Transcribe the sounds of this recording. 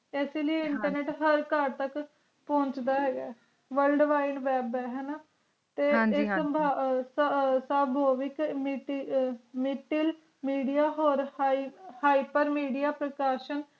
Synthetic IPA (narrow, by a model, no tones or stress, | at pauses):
ɛːseːləieɪɳʈəɾneːʈɦəɾkaɖt̪ək | põːɲt͡ʃd̪aːɦɛːɡɛː | ʋəlɖʋaːɪɳɖʋɛːbɛːɦɛːnaː | t̪eːɪəmbʱaːssabʱoːʋɪkmʈ | mɪʈɪl | miːɖijaːɦoːɾ | haːipəɾmiːɖijaːpɾəkaːʃən